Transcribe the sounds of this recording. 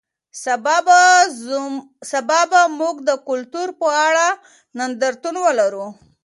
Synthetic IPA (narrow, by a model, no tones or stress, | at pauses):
b | sabɑbamuɡd̪əkʊlt̪uɾpəaɽa | nand̪aɾt̪unwəlaɾu